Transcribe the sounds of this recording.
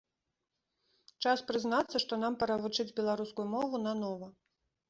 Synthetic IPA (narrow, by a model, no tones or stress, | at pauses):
t͡ʂaspɾɨznat̪sːɐʂt̪ɔn̪ampɐɾɐvut͡ʂɨd͡zʲbʲɛlˠaɾuskujumɔvunɐnɔvɐ